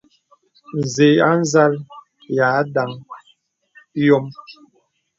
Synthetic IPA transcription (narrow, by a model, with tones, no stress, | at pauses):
n̩˨ze˨˦a˦n̩˦za˦l | ja˨˦da˨˦ŋ˦ | jɔ˦m